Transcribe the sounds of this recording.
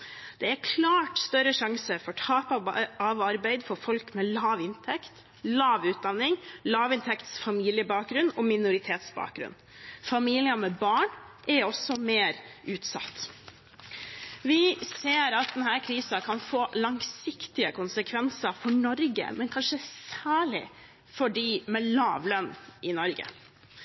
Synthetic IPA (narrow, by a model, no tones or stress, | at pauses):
d̪̥ɛæɾkʰlɑːʈst̪œɾəʂɑŋsəfɔʈʰɑːpɑɑʋɑɾbæɪd̪fɔɾfɔlkmɛlɑːʋɪnt̪ʰɛkt̪ | lɑːʋʉːt̪̚d̪ɑnːɪŋlɑːʋɪnt̪ʰɛkt̪sfɑmiːlɪəbɑːk̚ɡɾʉnɔmɪnʊɾɪt̪ʰeːt̪sbɑ̰ːk̚ɡɾʉ̰n | fɑmiːlɪɑmɛbɑːɳ | ʔɛɾɔsɔmeːɾʉːt̪sɑ̰t̪ː | ʋɪseːɾɑt̪̚d̪ɛnhæːɾkʰɾiːsɑkʰɑnfoːlɑŋsɪkt̪ɪəkʊnsəkʰʋɛnsɑfɔɳɔɾɡə̰mɛnkʰɑnʂəsæːɭɪ̰ | fɔɖiːmɛlɑːʋlœnɪnɔɾɡə̰